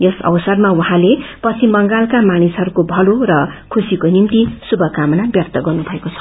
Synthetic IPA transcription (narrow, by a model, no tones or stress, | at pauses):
jesʌ̰wsʌrmawuɦãlepʌt͡sʰibʌŋɡalkamanisɦʌɾukobʱʌlorʌkʰusikonimt̪isubʱʌkamʌnabjʌrt̪ʌɡʌrnubʱʌekot͡sʰʌ̥